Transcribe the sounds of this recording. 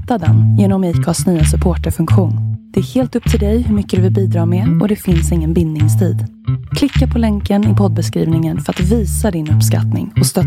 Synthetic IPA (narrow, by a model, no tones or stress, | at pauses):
t̪ːad̪ɛ̰njeːnɔmɛkʰɑsnyːasɵpʰoːʈəɾfɵŋkɧuːnd̪̥ɛæɾheːlt̪ɵp̚ːt̪ʰɪld̪ɛjhɵmʏkːəd̪ɵvɪlbiːd̪ɾɑːɾmɛɔd̪ɛfɪnsɪŋːənbɪnd̪nɪŋst̪ʰḭːd̪ | kʰlɪkːapʰɔlɛŋkənɪpʰɔd̪̚bɛskɾḭːvnɪŋənfœɾat̪viːsad̪ɪnɵpːska̰t̪nɪ̰ŋɔst̪œ